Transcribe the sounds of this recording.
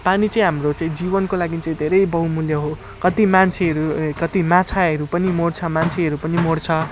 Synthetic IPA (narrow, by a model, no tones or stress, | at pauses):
panit͡sʌĩɦamrot͡sʌĩd͡zibʌnkolaɡit͡saĩd̪ʱeɾʌjbʌɦũmuljʌɦo | kʌt̪imant͡sʰeɦʌɾukʌt̪imãt͡sʰaɦʌɾupʌnimoɽt͡sʰʌmant͡sʰeɦʌɾupʌnimoɽt͡sʰʌ